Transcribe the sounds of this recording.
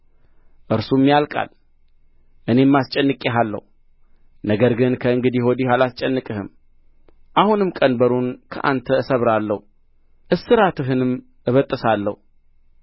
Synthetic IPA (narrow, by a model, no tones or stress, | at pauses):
ʔɨɾsumːjalkʼa̰l | ʔɨne̞mːast͡ʃʼɛnːɨkʼːeɦalːə̰hu | nəɡəɾɡɨnkʰəɨŋɡɨd̪iho̞d̪ihalast͡ʃʼɛnːɨkʼɨhɨ̰m | ʔahunɨmkʼənbəɾunkʰə̰ʔa̰nt̪ʰəɨsəβɾalːəhu | ʔɨsːɨɾat̪ʰɨɦɨnɨm | ɨβət̪ʼːəsalːə̰hu